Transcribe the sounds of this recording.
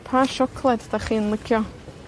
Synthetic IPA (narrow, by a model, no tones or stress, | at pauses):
pʰaʃɔkʰlˠɛd̪d̥aχiːnlˠəkʰjɔ